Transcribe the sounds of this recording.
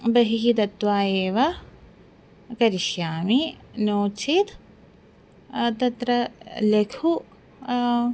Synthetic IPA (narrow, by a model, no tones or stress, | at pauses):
bɐɦikit̪ɐt̪ːʋaːeːʋɐ | kɐɾiʃjaːminoːt͡ʃʰit̪ | t̪ɐt̪ɾɐlekʰu